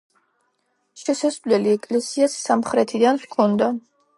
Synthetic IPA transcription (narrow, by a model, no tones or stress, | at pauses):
ʃɛsasvlɛliɛkʼlɛsiasːamχɾɛt̪ʰid̪anχkʰɔnd̪a